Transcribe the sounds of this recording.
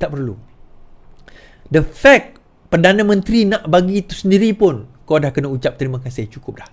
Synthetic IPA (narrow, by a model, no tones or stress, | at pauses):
t̪aʔpərlṵ | dəfɛk̚ | pərdanãmə̃nt̪ɾinãʔbaɡit̪u̥səndiɾipʊnkadahkənaut͡ʃap̚t̪əɾimãkasɪht͡ʃukʊp̚lah